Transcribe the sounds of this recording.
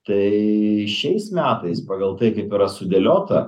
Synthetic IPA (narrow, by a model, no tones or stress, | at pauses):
t̪ɐɪʃʲɛɪsmʲæːt̪ɐɪspɑːɡɐlˠt̪ɐɪkɐɪpiɾɐsʊd̪ʲɛlʲoːt̪ɐ